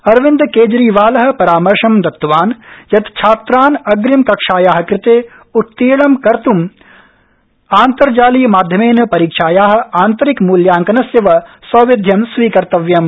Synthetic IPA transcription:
ɐɾʋɪnd̪keːd͡ʒɾiːʋaːlɐɦɐ̆pɐɾaːmɐɾʃɐmd̪ɐt̪ːʋaːnjɐt̪t͡ʃʰaːt̪ɾaːnɐɡɾimkɐkʂaːjaːɦɐ̆kɾɪt̪eː | ut̪ːeːɭɐmkɐɾt̪um | aːnt̪ɐɾd͡ʒaːlijɐmaːd̪ʱjɐmeːnɐpɐɾiːkʂaːjaːɦɐ̆aːnt̪ɐɾikmuːljaːŋkɐnɐsjeʋɐsɐʋɪd̪ʱjɐmsʋiːkɐɾt̪ɐʋjɐm

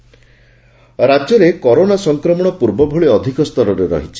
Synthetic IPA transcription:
ɾad͡ʒɔɾekɔɾonasɔŋkɾɔmɔɽ̃ɔpuɾbɔbʱoɭiɔd̪ʱikɔst̪ɔɾɔɾeɾɔ̰ɦit͡ʃʰi̥

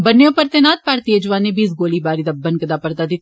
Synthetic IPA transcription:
bɐnːejõːpəɾt̪eːnaːt̪̚paːɾt̪ied͡ʒʊʋaːnebiːs̬ɡoːlibaːɾid̪ɐbːənkɐd̪aːpəɾt̪aːd̪ɪt̪ʰ

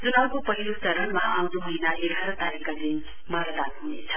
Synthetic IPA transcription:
d͡zunakopʌɦilut͡sʌɾʌnmaaw̃d̪uɦʌjnaʔeɡʱaɾʌt̪aɾikad̪in | mʌɾʌlaɡ̚inḛt͡sʰʌ̥

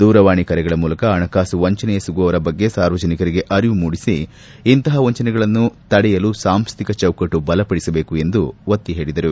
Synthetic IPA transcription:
d̪uːɾɐʋaːɳikɐɾɛɡɐɭɐmuːlɐkɐːnɐkaːsuʋɐɲt͡ʃɐnɛjɐsuɡuʋɐʋɐɾɐbɐɡːe̞saːɾʋɐd͡ʒɐnikɐɾiɡe̞ʔɐɾiʋumuːɽisiː | nt̪ɐɦɐʋɐɲt͡ʃɐnɛɡɐɭɐnːut̪ɐɽɛjɐlusaːmst̪ʰikɐt͡ʃɐwkɐʈːubɐlɐpɐɽisɐbe̞ːkue̞nd̪uʋɐt̪ːiɦe̞ːɭid̪ɐɾu

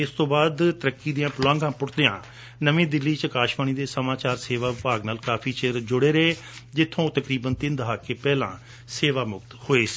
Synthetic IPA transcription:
ɪst̪õːbaːd̪t̪əɾəkːiːd̪ɪjãːpʊlãːŋɡãːpʊɽd̪ejãː | nəʋẽːd̪ɪlːiːt͡ʃəkaːʃʋaːɳ̃iːd̪eːsəmaːt͡ʃaːɾseːʋaːʋɪpaːɡnaːlkaːpʰiːt͡ʃeːɾd͡ʒʊɽeːɾəeː | d͡ʒɪt̪ʰːõːt̪əkɾiːbənt̪ɪnd̪əɦaːkːeːpɛːlã̰ː | seːʋaːmʊk̚t̪hoːeːsi̥ː

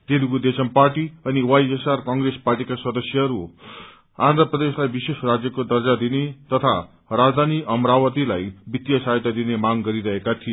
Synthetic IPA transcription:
t̪elukud̪esʌmparʈiʌniwajsesarkʌŋɡresparʈikaswʌd̪ʌsjʌɦʌɾu | a̰nd̪ʱrʌprʌd̪eslajbisesrad͡zjʌkod̪ʌrd͡zad̪inet̪ʌt̪ʰa | rad͡zd̪ʱaniʔʌmrawʌt̪ilajbit̪ːjʌsajt̪ad̪inemaɡɡʌɾiɾʌɦekat̪ʰije

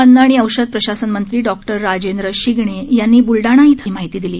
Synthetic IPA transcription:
ənd̪əɽ̃iːəwɕəd̪̚pɾəɕasənmənt̪ɾiːɖɔk̚ʈəɾːad͡ʑend̪ɾəɕiɡɳejanːiːbulɖaɽ̃ait̪ʰəmaɦit̪iːd̪iliː

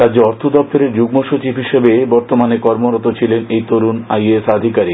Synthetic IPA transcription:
ɾadd͡ʑoɔɾt̪ʰod̪ɔp̚t̪oɾeɾd͡ʑuɡ̚moʃot͡ɕibʱɦiʃebebɔɾt̪omanekɔɾmoɾot̪ot͡ɕʰilenejt̪oɾunajesad̪ʱikaɾi

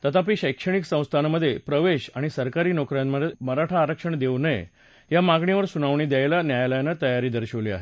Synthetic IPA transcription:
t̪ət̪ʰap̬iːɕəjkʂəɳ̃iksə̃w̃st̪ʰanaməd̪ʱːjepɾəʋeɕaɽ̃isəɾkaɾiːnokɾjamməeməɾaʈʰaːɾəkʂəɳd̪eunəj | jamaɡɳiʋəɾsunaʋɳiːd̪jaelanjajaləjanət̪əjaɾiːd̪əɾɕəʋliːa̰ɦe

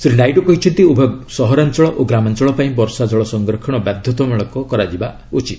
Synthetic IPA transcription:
sɾinajʈɔkɔɦit͡ʃʰɔnt̪iubʱɔsɔɦɔɾant͡ʃɔɭɔʔoɡɾamant͡ʃɔɭɔpaĩbɔɾsad͡ʒɔɭɔsɔŋɡɾɔkʰɔɽ̃ɔbad̪ʱjɔt̪ɔmɔɭɔkɔkɔɾad͡ʒiba | ut͡ʃit̪

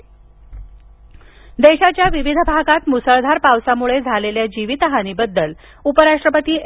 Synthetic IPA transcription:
d̪eɕat͡ɕjaʋiʋid̪ʱəbʱaɡat̪musəɭd̪ʱaɾpaʋsamuɭed͡zʱaleljad͡ʑiʋit̪əɦaniːbəd̪ːəl | upəɾaʂʈɾəpət̪iː

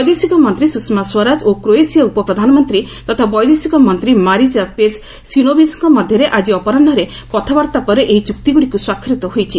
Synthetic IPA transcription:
bɔjd̪esikɔmɔnt̪ɾisuksmaswɔɾad͡ʒokɾoesijaupɔpɾɔd̪ʱanɔmɔnt̪ɾi | t̪ɔt̪ʰabɔjd̪esikɔmɔnt̪ɾimaɾit͡ʃapes | sinobisɔŋkɔmɔd̪ʱjɔɾeʔad͡ʒiɔpɔɾaɳɖɔɾe | kɔt̪ʰabaɾt̪apɔɾeʔeit͡ʃuk̚t̪iɡuɽikuswakʰːɾit̪ɔhojt͡ʃʰi

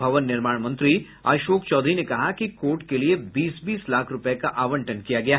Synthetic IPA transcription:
ɐʋənːɪɾmaːɽmɐ̃nt̪ɾi | a̰ːʃoːkt͡ʃɔːd̪ʱɾinekɐɦakikoːʈkeliebiːsbiːslaːkʰɾʊpəekaʔaːʋə̃ɳʈənkijaɡɐjaːɦ

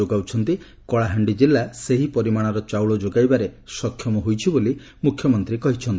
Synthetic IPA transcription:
oɡawt͡ʃʰɔnt̪i | kɔɭaɦaɳɖid͡ʒilːaseɦipɔɾimaɽ̃ɔɾɔt͡ʃawɭɔd͡ʒoɡajbaɾesɔkʰːjɔmɔɦojt͡ʃʰiboli | mukʰjɔmɔnt̪ɾikɔɦit͡ʃʰɔnt̪i

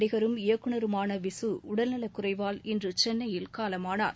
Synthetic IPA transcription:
ɽɪɣɐɾɯmɪjɐkːɯɳɐɾɯmaːnɐʋɪsɯʊɽɐlnɐlɐkːʊrɐɪʋaːlɪndrɯt͡ʃɛnːɐjɪlkaːlɐmaːnaːɾ

